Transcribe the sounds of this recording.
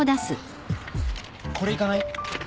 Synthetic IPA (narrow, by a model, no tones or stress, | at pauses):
od̪asɨ | kʰo̞ɾe̞ikanai